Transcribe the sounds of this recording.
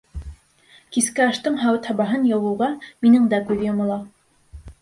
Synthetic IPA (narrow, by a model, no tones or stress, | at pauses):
kiskɘɑʃt̪ɤɴɦɑwɤt̪hɑbɑɦɤnjɤ̆wɤ̆wʁɑminɘɴd̪ækʉðjŏmɑ̆lˠɑ